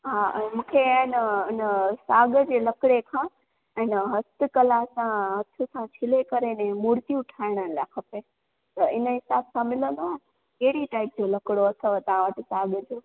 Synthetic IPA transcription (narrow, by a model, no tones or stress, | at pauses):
ɦaʔɛ̃ːmũːkʰeaːɦɪnəʊnəsaːɡəd͡ʑeːlɐkɽekʰãː | ɛ̃ːnəɦɐst̪ɪkɐlasãɦɐt̪ʰʊsãt͡ɕʰɪlekɐɾenẽmuːɾt̪iʊʈʰaːɪɽ̃ənɪlaːkʰɐpe | t̪ɐɪnəɦɪsaːbsãmɪlə̃nd̪oaɦnɪ̆ | keɦɽiʈaːɪp̚d͡ʑolɐkɪɽoɐsəʋet̪ɐʋ̤ãʋəʈisaːɡəd͡ʑoː